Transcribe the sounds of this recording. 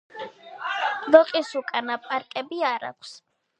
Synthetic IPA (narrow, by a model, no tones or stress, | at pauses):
d̪ɔqʼisukʼanapʼaɾkʼɛbiaɾa̰kʷʰs